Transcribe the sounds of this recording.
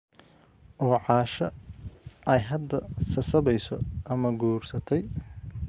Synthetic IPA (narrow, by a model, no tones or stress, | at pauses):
ʔɔːʕɑːʃɐ | ʔɛjɦɐd̪ːɐsɐsɐβɛjsɔʔɐmɐɡuːrsɐt̪ʰɛj